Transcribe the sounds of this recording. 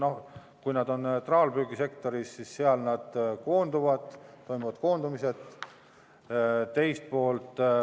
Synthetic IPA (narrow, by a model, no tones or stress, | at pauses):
no̞h | kujnɑd̪o̞nt̪rɑːlbyːɡ̥ise̞kt̪o̞ɾisːisːeɑlnɑd̪̥ko̞ːnd̪uvɑd̪̥t̪ːo̞jmuvɑd̪̚ko̞ːnd̪umise̞t̪ | t̪ːe̞jst̪̚po̞ːlt̪